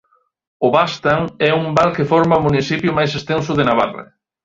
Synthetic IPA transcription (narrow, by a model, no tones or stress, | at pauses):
ʊβast̪aŋɛuŋbalkefɔɾmamuniθipjʊmajsest̪ẽns̬ʊðenaβa̰rrɪ̰